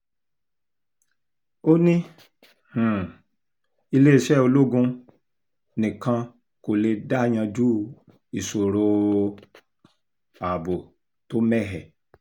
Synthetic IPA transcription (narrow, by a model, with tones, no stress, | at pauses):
o˦nĩ˦ | h̩˨ | i˧le˦i˦˨ʃɛ˦˨o˧lo˦ɡũ˧ | nĩ˨kã˧ | ko˨le˧da˦˨j̃ã˧d͡ʒu˦ | i˨so˨ɾo˧ | a˨bo˨ | to˨˦mɛ˦˨ɦɛ˨